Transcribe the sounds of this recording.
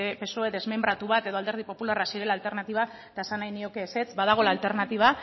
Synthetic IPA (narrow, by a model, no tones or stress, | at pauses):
epeso̞eðe̞zme̞mb̪ɾat̪uβ̞at̪e̞ð̞o̞ald̪eɾð̞ipo̞pulaɾrasiɾe̞lalt̪e̞ɾnat̪iβ̞a | t̪aesanajnio̞ke̞ːse̞t͡sbaðaɣ̞o̞laːlt̪e̞ɾnat̪iβ̞a